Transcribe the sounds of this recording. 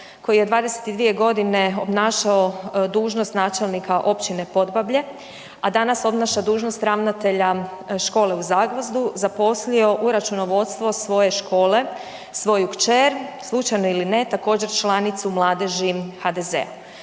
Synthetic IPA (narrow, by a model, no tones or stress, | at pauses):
ko̞jije̞d̪ʋaːd̪ese̞̥t̪id̪ʋie̞ɡo̞d̪ine̞o̞bnaːʃaod̪uːʒnost̪naːt͡ʃe̞lˠnikʰaʔo̞pt͡ɕine̞po̞d̪babʎe̞ | ad̪anaso̞bnaʃad̪uːʒnost̪ɾaʋnat̪e̞ʎaʃko̞ːle̞uzaːɡlozd̪uzapo̞slio̞ʔuɾat͡ʃuno̞ʋo̞d̪st̪ʋo̞sʋo̞je̞ʃko̞ːle̞ | sʋo̞jukt͡ʃeɾslˠut͡ʃajnoiline̞t̪ako̞ːd͡ʑe̞ɾt͡ʃlˠanit̪sumlˠaːd̪e̞ʒixad̪e̞zḛa̰